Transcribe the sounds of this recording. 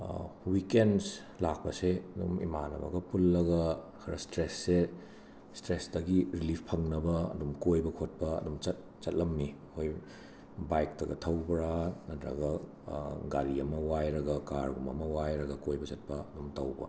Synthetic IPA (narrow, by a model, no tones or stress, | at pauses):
wikens | lak̚pɐseɐdumḭmanɐ̰bɐ̰ɡɐpulːɐɡɐkʰɐɾɐstɾesːe | stɾesdɐɡiɾilipʰpʰɐŋnɐbɐɐ̰dumkojbɐkʰot̚pɐɐ̰dumt͡ʃɐt̚ | t͡ʃɐt̚lɐmnikʰoj | bajk̚tɐɡɐ̰tʰɐwbɐɾanɐtɾɐ̰ɡɐ | ɡaɾiɐmɐwajɾɐɡɐkaɾɡumɐ̰mɐwajɾɐɡɐkojbɐt͡ʃɐt̚pɐɐdumtɐwbɐ̰